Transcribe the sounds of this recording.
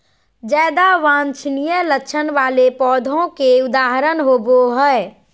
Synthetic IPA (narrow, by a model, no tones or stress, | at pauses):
d͡ʒɛːd̪aʋãːnt͡ʃʰnijələkt͡ʃʰənʋaːlepɔːd̪ʱõkeʊd̪aːɦɾənɦoːboɦəe